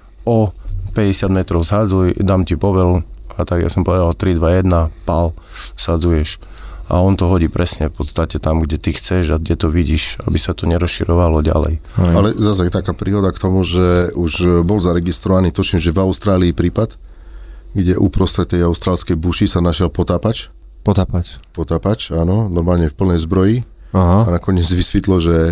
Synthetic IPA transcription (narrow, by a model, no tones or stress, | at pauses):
ɔpɛɟɛsɪad̪mɛt̪ɾɔʊzɦad͡zujd̪aːmcipɔʋɛlat̪aɡja̰sɔmpɔʋɛd̪alt̪ɾid̪ʋajɛd̪napal | z̥had͡zujɛʃ | ʔa̰ɔnt̪ɔɦɔɟiːpɾɛsɲɛfpɔt̪st̪acɛt̪amɡɟɛt̪ixt͡sɛʒaɡ̚ɟɛt̪ɔʋiɟiːʃa̰bisat̪ɔɲɛɾɔsʃiɾɔʋalɔɟa̰lɛ̰jalɛzas̬ajɛt̪akaːpɾiːɦɔd̪akt̪ɔmuʒɛuʒbɔlzaɾɛɡist̪ɾɔʋaniːt̪ut͡ʃimʒɛvaʊst̪ɾaːliːpɾiːpad̪ | ɡɟɛʔupɾɔst̪ɾɛt̪ːɛjaʊst̪ɾaːlskɛjbuʃisanaʃɪɛlpɔt̪aːpat͡ʃ | pɔt̪aːpat͡ʃpɔt̪aːpat͡ʃaːnɔnɔɾmaːlɲɛfpl̩nɛjzbɾɔji | aɦaanakɔɲɪɛd͡zʋisʋit̪lɔʒɛ